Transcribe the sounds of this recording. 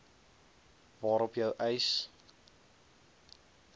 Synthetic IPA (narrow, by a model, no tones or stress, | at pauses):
vɑːɾɔpjəwʔəjs